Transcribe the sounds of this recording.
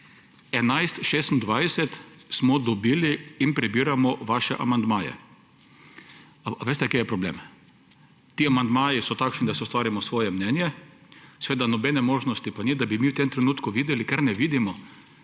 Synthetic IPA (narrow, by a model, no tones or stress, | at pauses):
ɛnajst̪ʃeːst̪n̩d̪ʋajsɛt̪smɔd̪ɔbiːliːnpɾɛbiːɾamɔʋaːʃɛʔamand̪maːjɛ̰ | ʋeːst̪ɛkeːjɛpɾɔblḛːm | t̪iamand̪maːjisɔt̪akʃnid̪asɛust̪ʋaːɾimɔsʋɔːjɛmnɛnjɛsɛʋeːd̪anɔbɛnɛmoːʒnɔst̪ipanid̪abimiwt̪emt̪ɾɛnuːt̪kuʋiːd̪ɛlikaɾnɛʋiːd̪imɔ